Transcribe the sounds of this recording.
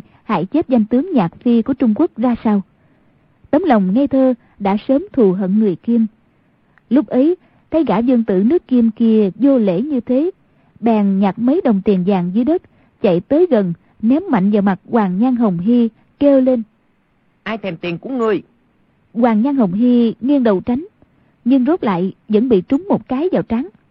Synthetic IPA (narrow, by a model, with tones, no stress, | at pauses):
ha̰ː˧˥jt͡ɕe˦˥t̚za˧jŋ̟t̪ɨ˨˦əŋɲaː˨˩t̚fi˧ku˧˩ət͡ɕʊ˧ŋ͡mku˦˥ək̚zaː˧sa˧w | t̪ə˨˦ŋ͡mlə˨˩wŋ͡mŋa˧jt̪ʰəː˧ | ɗa̰ː˧˥səː˨˦mt̪ʰu˨˩ɦə̰˧˨nŋɨ˨˩əjki˧əm | lʊ˦˥k͡p̚ʔə˨˦j | t̪ʰa˨˦jɣaː˧˩zɨ˧ŋt̪ɨ̰˧˨nɨ˦˥əkːi˧mki˧əzo˧lḛ˧˥ɲɨ˧t̪ʰe˨˦ | ɓɛː˨˩ŋɲaː˨˩t̚mə˨˦jɗə˨˩wŋ͡mt̪i˨˩ənzaː˨˩ŋzɨ˨˦jɗə˦˥t̚ | t͡ɕa̰˧˨jt̪əː˨˦jɣə˨˩n | nɛ˨˦wma̰˧˨jŋ̟zaː˨˩ma˨˩t̚kwaː˨˩ŋɲa˧nɦə˨˩wŋ͡mɦi˧ | ke˧wle˧n | ʔaː˧jt̪ʰɛ˨˩mt̪i˨˩ənku˧˩əŋɨ˨˩əj | kwaː˨˩ŋɲa˧nɦə˨˩wŋ͡mɦi˧ŋi˧ənɗə̰˧˨wt͡ɕa˨˦jŋ̟ | ɲɨ˧ŋzo˦˥t̚la̰ː˧˨jzə̰˧˥nɓḭ˧˨t͡ɕʊ˨˦ŋ͡mmo˨˩t̚kaː˨˦jzaː˨˩wt͡ɕa˨˦ŋ